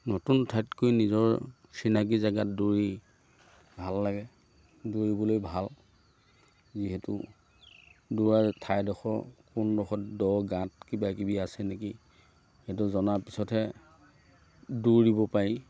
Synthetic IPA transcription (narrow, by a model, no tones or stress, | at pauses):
nɔtuntʰatkojnizɔɹ | sinak̬izaɡatduɹi | bʱalːaɡɛ | duɹibɔlojbʱal | ziɦɛtṵ | duɹaɹtʰajdɔxɔ̰kundɔxɔtdɔɡãtkibakibiasɛneki | hɛt̬uzɔnapisɔtʰɛ | duɹdibɔpaɹi